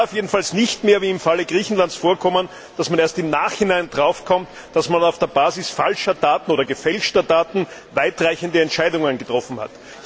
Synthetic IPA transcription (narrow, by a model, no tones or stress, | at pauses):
aʊfjeːdn̩falsnɪçtmeːɐviːɪmfaləɡʁiːçn̩lantsfoːɐkʰɔmən | d̥asmaneːɐstɪmnaːχhɪnaɪndʁaʊfkʰɔmt | d̥asmanaʊfd̥eːɐbaːzɪsfalʃɐdaːtn̩oːɾɐɡəfɛlʃtɐdaːtn̩vaɪtʁaɪçəndəɛntʃaɪdʊŋənɡətʁ̥ɔfn̩ha̰t